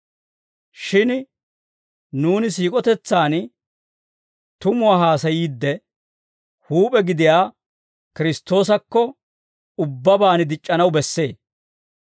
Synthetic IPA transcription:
ʃɪn | nuːnɪs̬iːkʼɔt̪ɛt͡sːaːn | t̪ʊmʊwaːɦaːsɐjiːd̪ːɛ | huːpʼɛɡɪd̪ɪjaː | kɪɾɪst̪o̞ːsɐkːɔ | ʊbːɐbaːnɪd̪ɪt͡ʃʼːɐnɐwbɛsːe̞ː

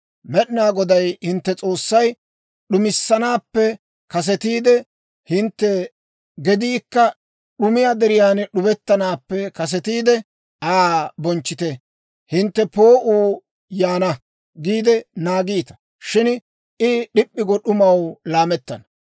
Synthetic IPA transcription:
mɛɗɪnaːɡɔd̪ɐjhɪnt̪ːɛt͡sʼo̞ːsːɐj | ɗʊmɪsːɐnaːpːɛ | kɐs̬ɛt̪iːd̪ɛ | hɪnt̪ːɛ | ɡɛd̪iːkːɐ | ɗʊmɪjad̪ɛɾɪjaːnɛɗʊbɛt̪ːɐnaːpːɛkɐs̬ɛt̪iːd̪ɛ | ʔaːbɔnt͡ʃːɪt̪ɛ | hɪnt̪ːɛpo̞ːʔuː | jaːnɐ | ɡiːd̪ɛnaːɡiːt̪ɐ̥ | ʃɪn | ɪɗɪpʼːɪɡɔɗʊmɐwlaːmɛt̪ːɐnɐ

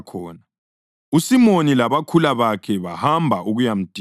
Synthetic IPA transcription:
kʰɔːna | usimonilaβakʰulaβakʰɛβahambʱaʔuɣujam̩d̥ʱ

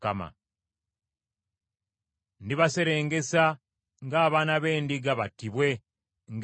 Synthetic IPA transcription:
kama̰ | ndiβase̞ɾe̞ːŋɡe̞sa | ŋɡaːβaːnaβe̞ːndiɡaβatːiβwe̞ | ŋɡ

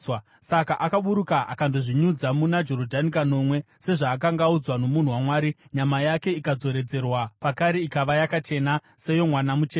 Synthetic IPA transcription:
w | sakaʔakaɓuɾukaʔa̰kandoʐiɲud͡zamunad͡ʒoɾodʱanikano̞mwe̞ | se̞ʐaːk̬aŋɡaud͡zwano̞mun̤uwamwaːɾiɲamajake̞ikad͡zo̞ɾe̞d͡ze̞rwapakaɾe̞ikaʋajakat͡ʃe̞na | se̞jo̞mwanamut͡ʃeː

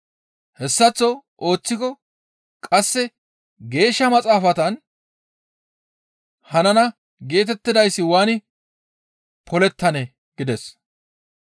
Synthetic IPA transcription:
hɛsːɐt͡sːɔʔo̞ːt͡sːɪkɔ | kʼɐsːɛ | ɡe̞ːʃːɐmɐt͡sʼaːfɐt̪ɐn | hɐnɐnɐ | ɡe̞ːt̪ɛt̪ːɪd̪ɐjsːɪwaːnɪ | pʰɔlɛt̪ːɐnɛ | ɡ̥ɪd̪ɛs

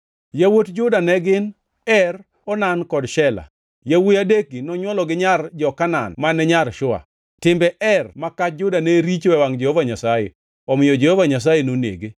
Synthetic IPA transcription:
jawotd͡ʒʊdanɛɡɪn | ɛr | ɔnankɔdʃɛla̰ | jawujadekinɔɲwɔlɔɡɪɲard͡ʒɔkana̰nmanɛɲarʃʊa̰ | tɪmbɛʔɛrmakat͡ʃd͡ʒʊdaneɾit͡ʃwɛwaŋd͡ʒehovaɲasajḛ | ɔmɪjɔd͡ʒehovaɲas̬ajenonḛɡe

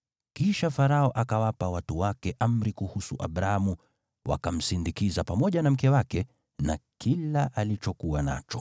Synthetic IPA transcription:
kiʃafaɾaɔʔakawapawatuwakɛʔam̩ɾikuhusuʔaɓɾahamu | wa̰kam̩sindikizapamɔʄanam̩kɛwakɛ | nakilaʔalit͡ʃɔkuwana̰t͡ʃɔ̥

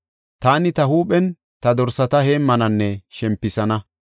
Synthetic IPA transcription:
t̪aːnɪt̪ɐhuːpɛn | t̪ɐd̪ɔɾsɐt̪ɐheːmːɐnɐnːɛʃɛmpːɪsɐnɐ

